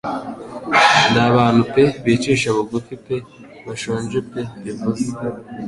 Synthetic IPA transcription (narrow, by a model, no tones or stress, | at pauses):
ndaβaːnupeβet͡ʃeʃaβuɡufipe | βaʃoːnd͡ʒupeβivuze